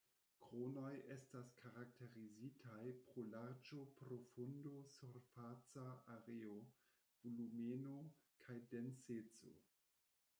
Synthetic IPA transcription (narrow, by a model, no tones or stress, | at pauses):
kɾono̞je̞staskʰaɾak̚te̞ɾizitʰajpɾolaɾd͡ʒo̞pɾofundo̞suɾfat͡saaɾeo | vulumenokʰajdent͡set͡so̰